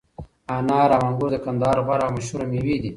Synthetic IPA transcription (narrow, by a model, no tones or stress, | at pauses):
aːnaːɾaːmɐŋɡuɾd̪əkɐnd̪ɑːɾobaɾamɐɕuɾɐmiwid̪i